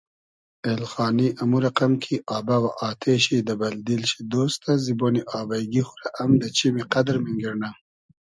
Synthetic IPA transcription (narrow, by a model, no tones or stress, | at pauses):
elxɑːniʔamuɾaqamkʰiʔɑːbawaʔɑːt̪ʰeɕid̪abald̪ilʃid̪oːst̪aziboniʔɑːbajɡixʊɾaʔamd̪ət͡ʃimiqad̪ɾmiŋɡiɾna